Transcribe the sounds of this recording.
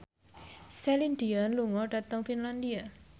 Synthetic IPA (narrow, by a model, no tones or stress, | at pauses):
sɛlindianluŋɔɖa̤t̪əŋfinland̪ia